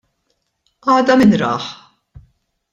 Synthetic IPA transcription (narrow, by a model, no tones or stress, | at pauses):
ʔɐːd̪ɐmɪnɾɐ̰ːħ